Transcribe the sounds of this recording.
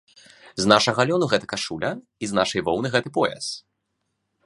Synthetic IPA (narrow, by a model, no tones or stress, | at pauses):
znaʂɐɣɐlʲɔnuɣɛt̪ɐkaʂulʲɐ | iznaʂɐjvɔwnɨɣɛt̪ɨpɔjɛ̰s